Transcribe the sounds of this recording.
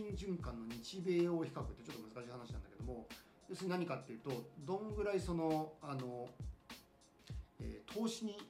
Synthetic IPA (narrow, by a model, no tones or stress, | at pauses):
ĩɲʑɨ̃ŋkãnːo̞ɲ̟it͡ɕibe̞ːoçi̥kakɯ̟t̪ːet͡ɕo̞t̪ːmzɨkaɕiːhanaɕinãnd̪ake̞d̪omo̞ | josɨɲ̟inaɲ̟ikat̪ːe̞iɯ̟ːt̪o̞d̪õ̞ŋɡɯ̟ɾaiso̞no̞ano̞ | ḛːt̪ʰo̞ːɕiɲ̟i